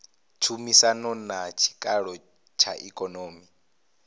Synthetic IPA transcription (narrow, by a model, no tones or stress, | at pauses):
t͡ʃʰumisanɔnat͡ʃʰi̥kʼaɺɔ | t͡ʃʰa̰ʔikʼɔnoːmi